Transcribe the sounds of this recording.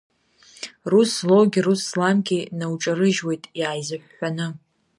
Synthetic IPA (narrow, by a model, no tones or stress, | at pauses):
ruslowɡʲiruslamɡʲʼinawʈ͡ʂʼaɾɨʒwe̞jtʼjaːjzɨħʷᶣːanɨ